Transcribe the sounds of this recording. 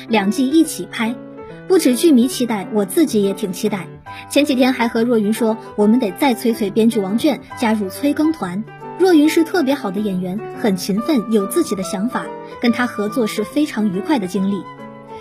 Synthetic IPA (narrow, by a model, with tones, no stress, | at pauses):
ljɑ˨˩ŋt͡ɕi˥˧i˥˩t͡ɕʰi˨˩pʰa˥ɪ | pu˥˩ʈ͡ʂɻ̩˨˩t͡ɕy˥˩mi˧˥t͡ɕʰi˥t̪a˥˩ɪwɔ˨˩t͡sɹ̩˥˩t͡ɕi˧˥jɛ˧˥t̪ʰi˨˩ŋt͡ɕʰi˥t̪a˥˩ɪ | t͡ɕʰjɛ˧˥nt͡ɕi˨˩t̪ʰjɛ˥nxa˧˥ɪxɤ˧˥ɻwɔ˥˩y˧˥nʂwɔ˥ | wɔ˨˩mə˦nt̪e˨˩ɪt͡sa˥˩ɪt͡sʰwe˥ɪt͡sʰwe˥ɪpjɛ˥nt͡ɕy˥˩wɑ˧˥ŋt͡ɕɥɛ˥˩nt͡ɕja˥ɻu˥˩t͡sʰwe˥ɪkɤ˥ŋt̪ʰwa˧˥n | ɻwɔ˥˩y˧˥nʂɻ̩˥˧t̪ʰɤ˥˩p̬jɛ˧˥xɑ˨˩ʊd̪ə˦jɛ˨˩nɥɛ˧˥nxə˨˩nt͡ɕʰi˧˥nfə˥˩njo˨˩ʊt͡sɹ̩˥˩t͡ɕi˨˩d̪ə˦ɕjɑ˧˥ŋfa˨˩˦ | kə˥nt̪ʰa˥xɤ˧˥t͡swɔ˥˧ʂɻ̩˥˩fe˥ɪʈ͡ʂʰɑ˧˥ŋy˧˥kʰwa˥˩ɪd̪ə˩t͡ɕi˥ŋli˥˩